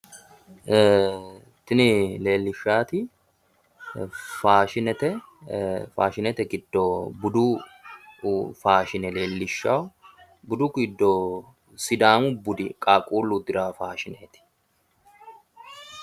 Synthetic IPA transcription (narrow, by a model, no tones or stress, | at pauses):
t̪ɪnɪle̞ːlːɪʃːaːt̪ɪ | faːʃɪnɛt̪ɛ | faːʃɪnɛt̪ɛɡɪd̪ːɔbʊd̪u | faːʃɪnɛle̞ːlːɪʃːɐw | bʊd̪ʊkɪd̪ːɔ | sɪd̪aːmʊbʊd̪ɪkʼaːkʼuːlːʊd̪ɪɾaːfaːʃɪneːt̪ɪ̥